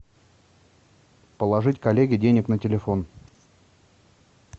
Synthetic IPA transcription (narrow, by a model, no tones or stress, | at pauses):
pəlˠɐʐɨtʲkɐlʲeɡʲɪdʲenʲɪknətʲɪlʲɪfo̞n